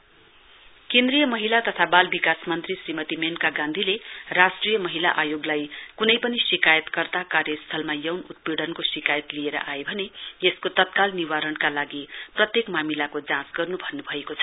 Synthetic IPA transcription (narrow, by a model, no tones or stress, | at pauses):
kẽnd̪rijʌmʌɦilat̪ʌt̪ʰabalbikasmʌnt̪risrimʌt̪imenkaɡãnd̪ʱilerasʈrijʌmʌɦilaʔajoɡlajkunʌjpʌnisikajʌt̪kʌrt̪akarjʌst̪ʰʌlmajʌwnut̪̚piɽʌnkosikajʌt̪lieɾʌ̰ʔaebʱʌneeskot̪ʌt̪̚kalniwaɾʌnkalaɡiprʌt̪jekmamilakod͡zãsɡʌrnubʱʌnːubʱʌekot͡sʰʌ̥